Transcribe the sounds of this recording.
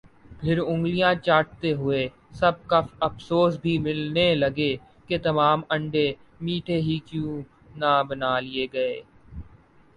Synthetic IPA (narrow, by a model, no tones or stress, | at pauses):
pʰɪɾʊ̃ŋɡlijãt͡ʃaːʈ̚t̪eɦʊe | sɐb̚kɐfɐfsoːsbʱimɪlnelɐɡe | ket̪ɐmaːmɐ̃ɳɖe | miːʈʰeɦikjũː | nabɐnaːlieɡɐeː